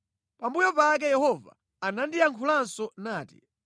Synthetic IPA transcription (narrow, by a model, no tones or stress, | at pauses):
pambujɔpak̬ɛjɛhɔva̰ː | nandiaŋkʰulansɔnaːtḭ